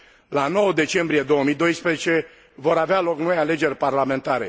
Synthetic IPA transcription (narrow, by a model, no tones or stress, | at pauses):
lano̞wəd̪e̞t͡ʃe̞mbɾije̞d̪o̞wəmid̪o̞jspɾezet͡ʃe̞ | vo̞ɾavealo̞kno̞jale̞d͡ʒe̞rʲparlame̞nt̪aɾe̞̰